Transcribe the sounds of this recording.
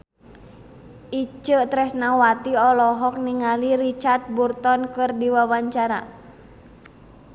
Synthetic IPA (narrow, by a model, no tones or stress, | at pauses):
it͡ʃət̪ɾɛsnawat̪iɔlɔɦɔk̚niŋalirit͡ʃart̪̚burt̪ɔnkɨrdiwawaɲt͡ʃaɾa̰